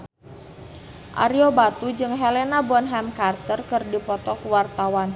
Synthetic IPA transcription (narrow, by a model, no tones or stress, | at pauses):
ʔa̰ɾiobat̪ud͡ʒɨŋɦɛlenabɔnɦɛmkart̪ərkɨrdipɔt̪ɔkuwart̪awan